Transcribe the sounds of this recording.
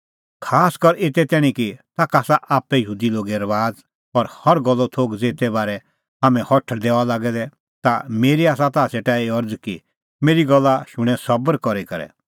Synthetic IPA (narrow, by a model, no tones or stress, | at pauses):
kʰaːskɐɾeːt̪ɛt̪ɛːɽ̃ikit̪aːkaːsaʔaːpːɛjəɦuːd̪iloːɡɛɾɐʋaːd͡z | ɔɾhɐɾɡɔlːɔt̪ʰoːɡd͡zeːt̪ɛbaːɾɛ | aːmɛ̃hɔʈʰd̪ɛːʋalaːɡɛd̪ɛ | t̪ameːɾiaːsat̪aːseʈaːiɐɾd͡zki | meːɾiɡɔlːaʃʊɽ̃ɛ̃sɐbəɾkɔɾikɐɾɛ̰